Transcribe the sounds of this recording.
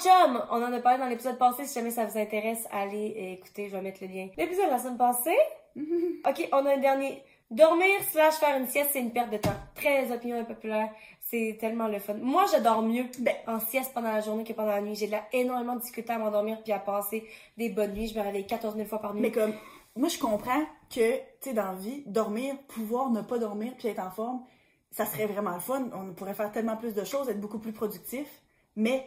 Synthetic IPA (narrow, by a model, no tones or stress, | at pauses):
tɔmɔ̃nɑ̃d̪əpaʁled̪ɑ̃lepizɔd̪̚pɑ̃sesi̥ʒamɛsavuzɛ̃t̪eʁɛsa̰ːleeːku̥t̪eʒvamɛt̪ləljɛ̃lepizɔd̪lasɔ̃d̪pɑ̃se | ɔkʲeʔɔ̃naɛ̃d̪ɛʁnje | d̪ɔʁmiːʁslaʒfɛːʁynsjɛst̪sɛynpɛʁt̪̚d̪ət̪ãt̪χɛzɔpinjɔ̃epɔpylɛːʁ | sɛt̪ɛlmɑ̃ləfɔnmwaʒad̪ɔːʁmjøbɛɑ̃sjɛspɑ̃d̪ɑ̃laʒuʁnekəpɑ̃d̪ɑ̃lanɥiʒed̪əlaenɔʁmemɑ̃d̪iskʲyt̪ɪamɑ̃d̪ɔʁmiːʁpiapɑ̃ːse | d̪ebɔnːɥiʒəməʁevɛjekat̪ɔʁzmilfwapaʁnimɛkɔmmwaʒəkɔ̃pχɑ̃kʰət̪t͡sed̪ɑ̃vid̪ɔʁmiːʁpʰuvwaːʁnəpad̪ɔʁmiːʁpiɛːt̪χɑ̃fɔʁm | sasʁɛvʁɛmɑ̃ləfɔnɔ̃puʁɛfɛːʁt̪ɛlmɑ̃plys̬d̪əʃoːzɛːt̪χbokuplypχɔd̪yk̚t̪if | mɛ